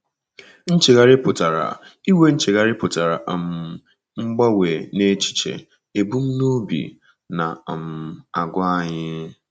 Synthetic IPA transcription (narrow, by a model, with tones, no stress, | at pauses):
n̩˦t͡ʃe˨ɣa˨ɾɪ˦pʊ˨ta˨ɾa̰˨i˦we˦n̩˦t͡ʃɪ˨ɣa˨ɾɪ˦pʊ˨ta˨ɾa̰˨ʔm̩˨˦ | ŋ͡m̩˦ɡ͡ba˦we˨ne˦t͡ʃi̥˦˨t͡ʃḛ˨ | e˨bu˦m̩˦nu˦bḭ˨ | na˨m̩˨a˨ɡʷa˦a˦ɲɪ˦